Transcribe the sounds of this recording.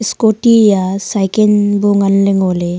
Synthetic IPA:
skoʈijasajkenboŋɡanleŋole

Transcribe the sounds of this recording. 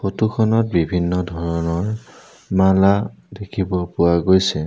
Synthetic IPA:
xotukʰɔnɔt̚bibʱinːɔdʱɔɹɔnɔɹ | maladekʰibɔpʊwaɡojsɛ

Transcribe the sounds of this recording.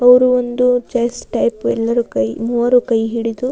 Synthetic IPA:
ɐʋɐɾuond̪ut͡ʃɐjsʈɐjpɛlːɐɾukɐjmuːɐɾukɐjɦiɽit̪u

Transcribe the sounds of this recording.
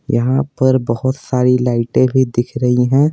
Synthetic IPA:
jɐɦãpɐɾbɐɦʊt̪saːɾilaːɪʈẽbʱid̪ɪkʰɾɐɦiɦɛ̃ː

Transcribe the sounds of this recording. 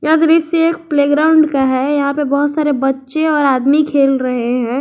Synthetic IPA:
jad̪ɾiseeːk̚pleːɡɾaːʊɳɖkaɦɛjɐɦãpebɐɦʊt̪saːɾebɐtːʃeɔːɾaːd̪mikʰeːlɾɐɦeɦɛ̃ː

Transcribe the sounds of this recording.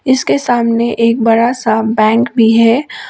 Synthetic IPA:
ɪskesaːmneʔeːk̚bɐɾasabɛ̃ːŋkbʱiɦɛː

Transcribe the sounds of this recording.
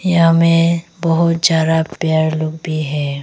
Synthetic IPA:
jɦãmẽbəɦʊt̪zjaːd̪apjaːɾloːɡ̚bʱiɦɛː

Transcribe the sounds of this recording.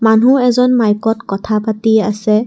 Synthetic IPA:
manuɛzɔnmajkɔtkɔtʰapatiasɛ

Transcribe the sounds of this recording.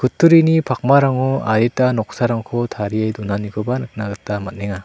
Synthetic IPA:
kʰɯtʰːuɾinipʰak̚maɾaŋɔaɾitanɔk̚saɾaŋkʰɔtʰaɾiajdunaniɡʰɔbanɯk̚naɡɯtːamat̚neŋa

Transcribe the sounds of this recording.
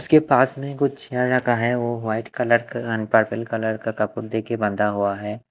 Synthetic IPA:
ʊskepaːsmẽkʊt͡ʃʰɪaɾɐkʰaɦɛʋoʋaːɪʈkɐləɾkənpəɾpʰəlkɐləɾkakɐpʊɾd̪eːkebɐ̃nd̪ʱaɦuaɦɛː

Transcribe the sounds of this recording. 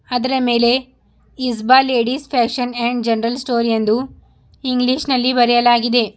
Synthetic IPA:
ɐd̪ɐɾɐme̞ːle̞ | isbaːle̞ːɖispʰæːkʂɐneɳɖd͡ʒɐnɐɾɐlsʈoːɾijɐnd̪u | iŋɡliʃnɐlːibɐɾɛjɐlaːɡid̪e̞

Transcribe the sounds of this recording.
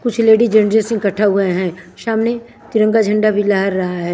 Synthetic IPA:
kʊt͡ʃʰleːɖid͡ʒɐnd͡ʒesɪ̃ŋkɐʈʰːaɦueɦɛ̃ː | ʃaːmne | t̪ɪɾə̃ŋɡad͡ʒʱɐ̃ɳɖabʱilaɦəɾːɐɦaɦɛː

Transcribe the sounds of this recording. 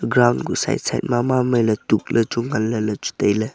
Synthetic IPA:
ɡɾawndɡusa̰jt̚sa̰jt̚mamamɐjlɐtuk̚lʔɐt͡ʃuŋalːɐlɐt͡ʃu̥tɐjlɐ

